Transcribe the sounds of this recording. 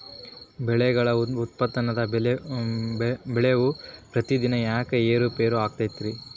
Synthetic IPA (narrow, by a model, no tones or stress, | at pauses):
bɛɭɛɡɐɭɐut̪̚pɐt̪ːɐnɐd̪ɐ | bɛɭeʋupɾɐt̪id̪inɐjaːkeeːɾupeːɾuaːɡ̚t̪ajt̪ːiɾi